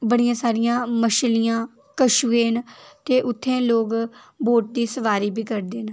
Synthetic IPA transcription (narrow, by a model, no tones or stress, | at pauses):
bəɽɪjãːsaːɾɪjãːməʃlɪjãː | kəʃuːeːnt̪eːʔʊt̪ʰːẽːloːɡboːʈ̚d̪iːsəʋaːɾiːbiːkəɾd̪eːn